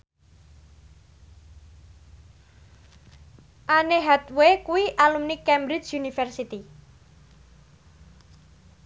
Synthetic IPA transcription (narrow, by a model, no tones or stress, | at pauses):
ʔaneɦɛt̪wekuwiʔalumnikɛmbɾit͡ʃunifɛrsit̪i